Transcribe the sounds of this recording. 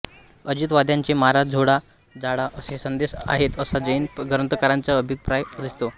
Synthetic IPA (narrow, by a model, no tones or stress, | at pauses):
əd͡ʑit̪ʋad̪jaɲt͡ɕemaaɾad͡zʱoɽa | d͡zaɽaʔəsesənd̪esa̰ɦet̪əsad͡zəjinɡʱəɾənt̪əkaɾaɲt͡saəbʱipɾajd̪ist̪o